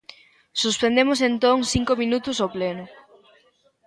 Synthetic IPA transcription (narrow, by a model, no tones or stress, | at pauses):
suspend̪emʊsent̪oŋθiŋkomĩnut̪ʊsoplenʊ